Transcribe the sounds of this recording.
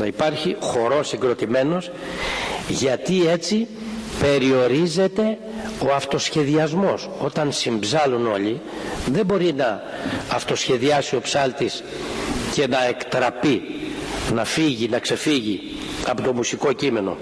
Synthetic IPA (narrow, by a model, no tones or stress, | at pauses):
nɐipɐɾçixo̞ɾo̞siɡɾo̞t̪ime̞no̞s | ʝɐt̪ie̞t͡si | pe̞ɾio̞ɾize̞t̪e̞ | o̞ɐft̪o̞sçe̞ðiɐzmo̞so̞t̪ɐnsimbzɐluno̞ʎi | ðe̞mbo̞ɾinɐː | ft̪o̞sçe̞ðiɐsio̞psɐlt̪is | ce̞nɐe̞kt̪ɾɐpi | nɐfiʝinɐkse̞fiʝi | ɐpot̪o̞musiko̞cime̞no̞̰